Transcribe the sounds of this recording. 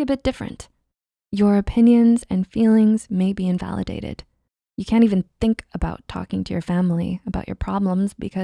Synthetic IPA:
ɨbɪt̚d̥ɪfɹɨ̰̃nt | ə˞ɨpʰɪ̃njɨ̃nzɨ̃nfilˠɪ̃ŋz̥meɪbiɨ̃ɱvæ̰lˠɨ̰dḛɪɾɪ̰d̥ | jɨkʰæ̃ñtivɨ̃nθɪ̃ŋkəbaʊtʰɔ̰kɪ̃ŋtʰɨjə̰˞fæ̃ml̩ˠḭɨbaʊt͡ʃə̰˞pʰɹ̥ɑblə̃mzbɨ̰kʰʌ

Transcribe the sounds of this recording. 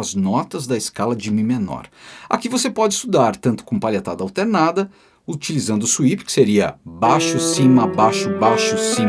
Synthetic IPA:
ɐznɔt̪ɐzd̪ɐɪskalɐd͡ʒɪmĩmenɔ̰ɾa̰kivosepɔd͡ʒɪist̪ud̪aɾt̪ɐ̃nt̪ʊ̥kõpalet̪ad̪ɐawt̪eɾnad̪ɐ | ut͡ʃilizɐ̃nd̪ʊsuipɪ̥kɪ̥seɾiɐbaʃʊsĩmɐbaʃʊbaʃʊsĩ

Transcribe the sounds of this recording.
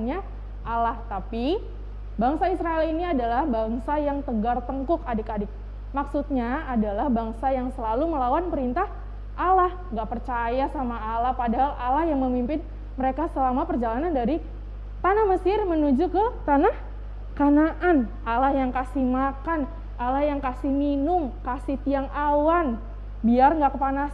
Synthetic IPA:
nɲa | ʔalaht̪api | baŋsaisɾaeliniadalahbaŋsajaŋt̪əɡart̪əŋkʊkadɪkadɪk̚ | maksut̪̚ɲaadalahbaŋsajaŋsəlaluməlawanpəɾint̪ah | ʔalah | ŋɡaʔpərt͡ʃajasamaːlahpadaɦalʔalahjaŋməmimpɪn | məɾekasəlamapərd͡ʒalanandaɾi | t̪anahməsɪrmənud͡ʒukət̪anah | kanaʔanʔalahjaŋkasihmakan | ʔalahjaŋkasɪhminʊŋkasɪht̪iaŋawan | biarŋɡaʔkəpanas

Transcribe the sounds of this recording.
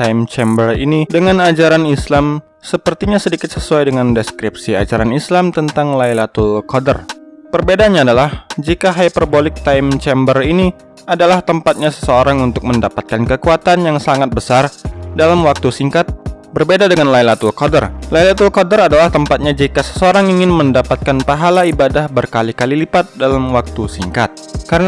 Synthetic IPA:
t̪aimt͡ʃɛmbərḭnidəŋanad͡ʒaɾanislam | səpərt̪iɲasədikɪt̪səsuajdəŋandɛskɾip̚sia̰d͡ʒaɾanislamt̪ənt̪aŋlailat̪ulkodə̰rpərbedanɲaːdalahd͡ʒikaɦajpərbolɪk̚t̪aimt͡ʃɛmbərini | adalaht̪əmpat̪̚ɲasə̥səoɾaŋunt̪ʊk̚məndapat̪̚kankəkuat̪anjaŋsaŋat̪̚bəsardalamwak̚t̪usiŋkat̪̚bərbedadəŋanlailat̪ulkodərlailat̪ulkodəɾadalaht̪əmpat̪̚ɲad͡ʒikasə̥səoɾaŋiŋɪnməndapat̪̚kanpaɦalaibadahbərkalikalilipat̪̚dalamwak̚t̪usiŋkat̪̚kaɾən

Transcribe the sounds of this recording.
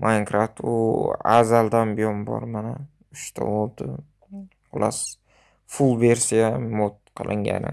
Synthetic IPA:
mʔaŋkɾaft̪ʊ̰a̰zald̪anbɪjɒnbɒ̰ɾmana | ʊʃt̪ʰa̰old̪ɪ | ʊlas | fulˠve̞ɾsijamot̪̚qʰɨlʔɪŋɡʲa̰nɪ̰

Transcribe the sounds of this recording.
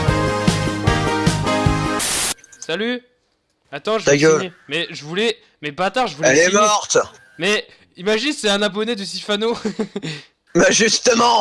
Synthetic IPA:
saly | at̪ɑ̃ʒəaɡøemɛʒəvulɛ | mɛbat̪aʁʒəvulɛlɛmɔʁt̪ | mɛ | imaʒinsɛɛ̃nap̬ɔnɛd̪əsifano | baʒyst̪əmɑ̃

